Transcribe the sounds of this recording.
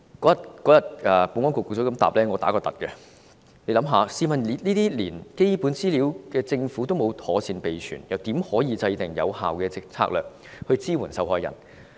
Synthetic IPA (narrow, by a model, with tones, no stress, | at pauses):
kɔː˨˥jɐ˨t̚kɔː˨˥jɐ˨˩t̚ʔɛː˨pu˨˥nŋwɔ˥ŋko˨kːsʰɔː˨˥kɐ˨˥mt̪a̰ː˨˩p̚lɛː˥ŋɔː˨˧t̪aː˨˥kɔː˧t̪ɐ˨t̚kɛ˧ | ne˨˧jlɐ˨˥mɦaː˨˧siː˧mɐ˨nli˨˧˥liː˥t̪iː˥liː˨˩nke˥jpuː˨˥nt͡siː˥liː˨˥wkɛː˧t͡sɪ˧ŋfuː˨˥t̪o˥wmo˨˧wt̪ʰɔː˨˥siː˧npe˨jt͡ʃʰy̰ː˨˩njɐ˨˩wt̪iː˨˥mhɔː˨˥jiː˨˧t͡sɐ˧jt̪ɪ˨˩ŋjɐ̰˨˧wha̰ː˨wkɛː˧t͡sɪ˧k̚t͡sʰa̰ː˧˥k̚lœː˨k̚ | hɵ˧ɥt͡siː˥wuː˨˩nsɐ˨wɦɔː˧jːɐ̰˨˩n